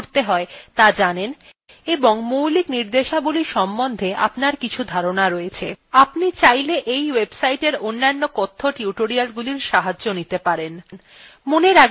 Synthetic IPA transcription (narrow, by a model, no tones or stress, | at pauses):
ɾt̪eɦɔet̪ad͡ʑanen | eboŋmuwlikniɾd̪eʃabuliʃɔmbond̪ʱeʔa̰pnaɾkit͡ɕʰud̪ʱaɾonaɾoet͡ɕʰḛapnit͡ɕajleʔejwebsajʈeɾonːanːokot̪ʰːoʈiuʈoɾialɡuliɾʃaɦad͡ʑːonit̪epaɾen | moneɾa